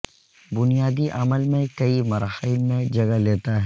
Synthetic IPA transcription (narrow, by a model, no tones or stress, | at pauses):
bʊnijaːd̪iʔɐməlmẽkɐimɐɾaːhɪlmẽd͡ʒɐɡaleːt̪aɦ